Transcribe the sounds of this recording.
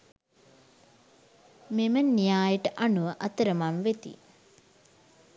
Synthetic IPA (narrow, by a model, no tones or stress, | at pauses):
memənijaːjəʈəʔanuʋəʔɐt̪əɾəmamʋet̪ḭ